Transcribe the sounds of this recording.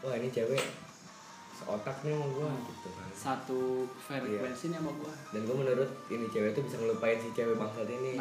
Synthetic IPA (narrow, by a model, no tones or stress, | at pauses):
waɦinit͡ʃewɛ | səʔot̪ak̚ɲamaɡuad͡ʒukt̪uasat̪ufɛrjaɛnsinamaɡuadanɡuamənuɾʊt̪̚init͡ʃewet̪ubisaŋəlupaɪnsiht͡ʃewɛbaŋsat̪ini